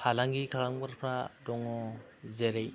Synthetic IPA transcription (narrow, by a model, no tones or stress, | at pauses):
kʰalaŋɡikʰalaŋbaɾpʰɾadɔŋɔ | zeɾej